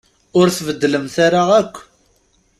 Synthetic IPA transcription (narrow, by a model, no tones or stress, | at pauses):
ʊɾθvəd̪ːləmθaɾaʁækʷː